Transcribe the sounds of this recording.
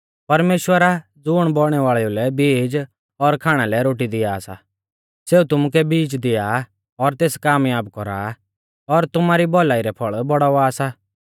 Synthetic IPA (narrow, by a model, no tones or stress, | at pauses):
pɐɾmeːʃwəɾa | d͡zʊɽ̃bɔɽ̃ɛʋaːɭɛulɛbiːd͡ʒ | ɔɾkʰaːɽ̃alɛɾoːʈ̬id̪ɪjaːsa̰ | seːut̪ʊmʊk̬ɛbiːd͡ʒd̪ɪja | ɔɾt̪eːskaːmjaːbkɔɾa̰ | ɔɾt̪ʊmaːɾibɔlaːiɾɛpʰɔɭbɔɽaʋaːsa